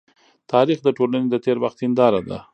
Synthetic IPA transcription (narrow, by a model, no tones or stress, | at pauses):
t̪ɑɾixd̪əʈolaned̪ət̪eɾwaxt̪ind̪ɑɾad̪a̰